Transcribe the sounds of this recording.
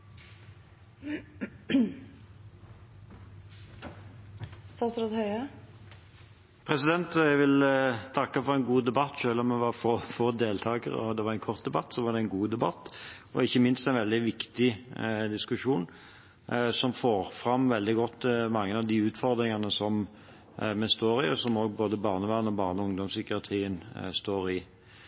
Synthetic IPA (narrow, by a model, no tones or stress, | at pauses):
sɑsɾɔt̪hœʏə | pʰɾɛsɪd̪ɛnt̪æʋɪlt̪ʰɑkːəfɔɾɛɪnɡuːd̪ɛbɑt̪ːʃøːlɔmɛʋɑɾfoːfoːd̪eːlt̪ʰɑːɡə̰ɾɔd̪ɛʋɑɾɛɪnkʰɔɾt̪̚d̪ɛbɑt̪ːsɔʋɑʁd̪ɛnɡuːd̪ɛbɑt̪ː | ɔɪçːəmɪnst̪æɪnʋɛld̪ɪʋɪkt̪ɪd̪ɪskʉʂuːn | sɔmfoːɾfɾɑmːʋɛld̪ɪɡɔt̪ːmɑŋːəɑʋd̪iːʉːt̪fɔʁd̪ɾɪŋɑnəsɔm | mɛst̪oːɾɪɔsɔmoːɡboːd̪əbɑːʁnəʋæʁənɔbɑːʁnəʊŋd̪ɔmsʏkɪɑt̪ʰʁiːənst̪oːɾɪ